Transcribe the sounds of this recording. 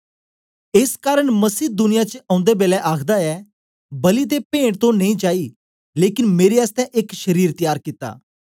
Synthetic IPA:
eskaːɾəɽ̃mɐsiːd̪ʊnɪjat͡ʃəɐ̃ːʊ̃nd̪ebeːlɛʔaːkʰd̪aɛː | bɐlit̪̬epẽːɽt̪õnɐ̃ĩt͡ʃaːi | leːkɪnmeːɾeaːst̪ɛʔɪkʃɐɾiːɾt̪əjaːɾkɪt̪ːa̰ː

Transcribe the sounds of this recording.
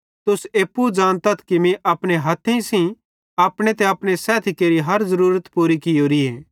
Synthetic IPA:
t̪ʊseːpːud͡ʒaːnt̪ət̪ʰkimĩʔɐpɽ̃eɦɐt̪ʰĩsĩ | aːpɽ̃et̪ɛɐpɽ̃esɛːt̪ʰikeːɾiɦɐɾzɐɾuːɾət̪puːɾikɪjoːɾieː

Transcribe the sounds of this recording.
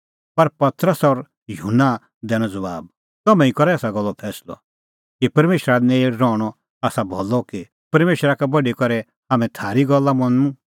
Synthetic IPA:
pɐɾpɐt̪ɾəsɔɾ | juɦunːa | d̪ɛːɽ̃ɔ̃d͡zɐbaːb̚ | t̪ɐmɛ̃ĩkɔɾɛaːsaɡɔlːɔpʰɛːslɔ̰ | kipɐɾmeːʃɾaneɾɔːɽ̃ɔ | aːsabʱɔlːɔki | pɐɾmeːʃɾakɛbɐɖikɔɾɛ | ɦaːmɛ̃t̪ʰaːɾiɡɔlːamɐ̃nũ

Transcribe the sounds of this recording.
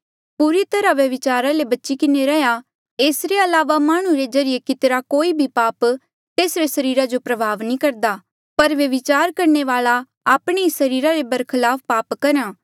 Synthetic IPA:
puːɾit̪ɐɾaʋjɐʋɪt͡ʃaːɾalebɐtːʃikɪneɾɛɦja | eːsɾeɐlaːʋamaːɽ̃ũɾed͡ʒɐɾɪjekɪt̪ɾakoːibʱipaːp | t̪eːsɾesɐɾiːɾad͡ʒopɾɐbʱaːʋnĩkɐɾd̪aː | pɐɾʋjɐʋɪt͡ʃaːɾkɐɾɳeʋaːla | aːpɽ̃eisɐɾiːɾaɾebɐɾkʰɪlaːpʰpaːpkɐɾãː

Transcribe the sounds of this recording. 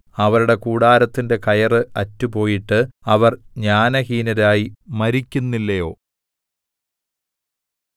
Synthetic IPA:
ɐʋɐɾuɽe̞kuːɽaːɾɐt̪ːinde̞kɐjɐrɨɐtːupo̞ːjiʈːɨɐʋɐrɲaːnɐhiːnɐɾaːjimɐɾikʲːunːilːɐjo̞ː

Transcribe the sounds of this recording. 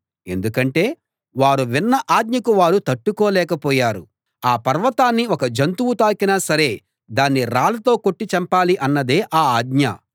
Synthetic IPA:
e̞nd̪ukɐɳʈe̞ː | ʋaːɾuʋinːɐʔaːd̪ɲɐkuʋaːɾut̪ɐʈːukɔːlɛːkɐpɔːjaːɾu | aːpɐɾʋɐt̪aːnːiɔkɐd͡ʒɐnt̪uwut̪aːkinɐsɐɾe̞ː | d̪aːnːiɾaːlɐt̪o̞ːkoʈːit͡ʃɐmpaːliʔɐnːɐd̪e̞ːʔaːaːd̪ɲɐ̰

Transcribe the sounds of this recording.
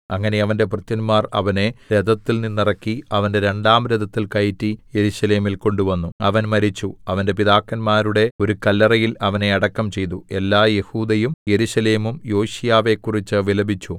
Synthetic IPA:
ɐŋːɐne̞ɐʋɐnde̞prɐt̪jɐnmaːrɐ̰ʋɐneɾed̪ɐt̪ːilninːirɐkːiɐʋɐnde̞ɾe̞ɳɖaːmɾed̪ɐt̪ːilkɐjtːijeɾuɕɐle̞ːmilko̞ɳɖuʋɐnːuɐʋɐnmɐɾit͡ɕːuɐʋɐnde̞piðaːkːɐnmaːɾuɽe̞o̞ɾukɐlːɐrɐjilɐʋɐne̞ɐɽɐkːɐmt͡ɕe̞jt̪ːue̞lːaːje̞huːd̪ɐjumje̞ɾuɕɐle̞ːmumjo̞ːɕijaːʋe̞kːurit͡ɕːɨʋilɐbit͡ɕːu

